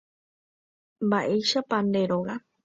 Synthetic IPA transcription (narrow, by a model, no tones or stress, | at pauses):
mbaʔe̞jʃapãnd̪eɾoɣa